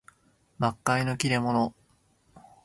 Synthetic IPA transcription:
bakːaino̞kʲiɾe̞mo̞no

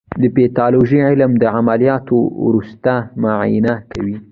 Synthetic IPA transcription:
d̪əpet̪ɑloʒəʕɪlmd̪əʕamalijɑt̪o̰wɾust̪amaʕ̰jnakawi

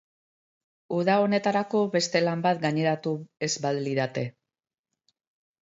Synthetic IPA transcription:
uðao̞ne̞t̪aɾako̞βe̞st̪e̞lambat̪ɡaɲe̞ɾat̪ue̞zbaðliðat̪e̞

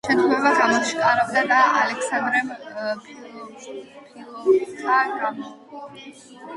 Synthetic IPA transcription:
ʃɛt̪ʰχwɛvaʁamɔmʃqʼaɾɔbd̪ad̪aa̰lɛkʰsand̪ɾɛm | pʰtʰaɡam

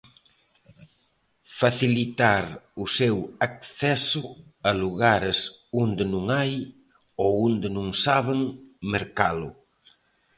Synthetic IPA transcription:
faθilit̪aɾusɛwak̚θɛsʊaluɣaɾesond̪enũŋaj | owund̪enũŋsaβeŋmeɾkalʊ

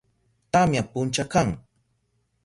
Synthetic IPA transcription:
t̪amjapʊnt͡ʃakaŋ

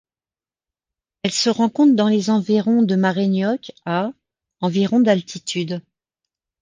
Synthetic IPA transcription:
ɛlsəʁɑ̃kɔ̃t̪χd̪ɑ̃lezɑ̃viʁɔ̃d̪əmaʁenjɔka | ɑ̃viʁɔ̃d̪alt̪ʰit̪ʰyd̪

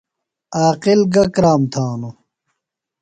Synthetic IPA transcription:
aːqilɡɐkɾaːmt̪ʰaːnu

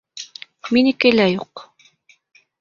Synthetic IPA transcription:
minɘkɘlæjuq

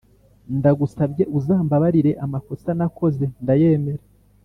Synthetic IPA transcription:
ndaɡusabɟe̞ʔuzaːmbaβaɾiɾe̞ʔamako̞sanako̞ze̞ndaje̞ːme̞ɾe

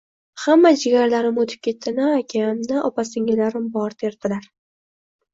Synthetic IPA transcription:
hamːad͡ʒɪɡʲaɾlaɾɪmot̪ʰɪ̥p̚kʲʰe̞t̪ʰːɪnɪːkʲʰamnɪʔɒpasɪŋɪlaɾɪmbɒɾt̪ʰeɾd̪ɪlaɾ

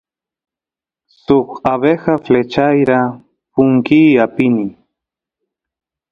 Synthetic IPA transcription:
sʊχaβexaflet͡ʃajɾa | pʊŋkiːapɪni

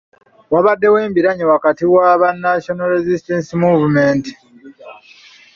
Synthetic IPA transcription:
waβadːe̞we̞ːmbiɾaɲiwakatiwaβanːaʃonoɾezisteːnsimuːvume̞ːnti̥

